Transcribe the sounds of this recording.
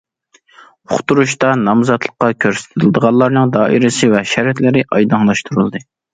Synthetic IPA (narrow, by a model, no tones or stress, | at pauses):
oχt̪uɾuʃt̪ɑnɑmzɑt̪lˠəqːɑkʲʰøɾsɪ̥t̪ʰɪɪld̪əʁɑlːˠɑɾnɨŋd̪ɑːʔḭɾɪsɨvɛʃæɾt̪lɪɾɪʔɑjd̪ɑŋlˠɑʃt̪ʰuɾulˠd̪ɨ